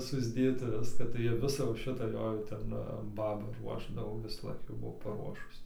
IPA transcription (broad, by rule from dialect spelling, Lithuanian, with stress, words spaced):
sʊzʲˈdʲeːt ɪr ˈʋʲɪskɑː tɐɪ ˈjiɛ ˈʋʲɪsɐ jɛʊ ˈʃʲɪtɐ ˈjoː jɛʊ ˈtʲɛn ˈbɑːbɐ ˈruɔʒdɐʋoː ʋʲɪsɐˈlˠɐɪk jɛʊ ˈbʊʋoː pɐˈruɔʃʊs